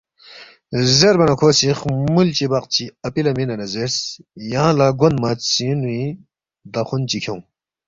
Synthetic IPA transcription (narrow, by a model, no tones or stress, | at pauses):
zeɾbɐnɐkʰoːsiχmult͡ɕibɐqt͡ɕʰiɐpilɐminɐnɐzeɾsjaãlaɡond̪masinui | d̪ɐxunt͡ɕikʰew̃